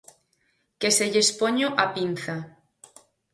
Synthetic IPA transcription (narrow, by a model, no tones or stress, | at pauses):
keseʝespoɲoʔapinθa